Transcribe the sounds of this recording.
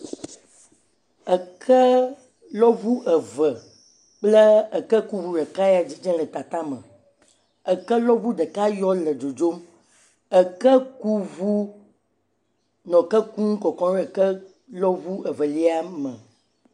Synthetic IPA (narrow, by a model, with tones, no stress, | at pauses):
ə˨kʰə˦ | lɔ˦vu˦ʔə˨və˨ | k͡plə˦ə˨kə˦ku˦vu˦ɖə˨ka˦ja˨d͡ʑi˦d͡ʒɛ̃˦lə˨t̪a˨t̪a˦mə̰̃˨ | ə˨kə˦lɔ˦vu˦ɖə˨ka˦jɔ˦lə˨d͡ʒo˨d͡ʒo˦m | ə˨kə˦ku˦vu˦ | nɔ̃˨kə˦ku˦ŋũ˦kɔ˨kɔ̃˦ɾɛ˦˨kə˦ | lɔ˦vu˦ʔə˨və˨li˦a˦mə̃˨